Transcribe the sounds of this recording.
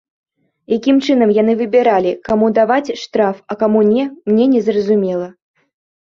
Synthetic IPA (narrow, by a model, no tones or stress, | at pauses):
jakʲimt͡ʂɨn̪ɐmjanɨvɨbʲɛɾalʲikamud̪avat͡sʲʂt̪ɾafɐkamunʲɛmnʲɛnʲɛzrɐzumʲɛlˠɐ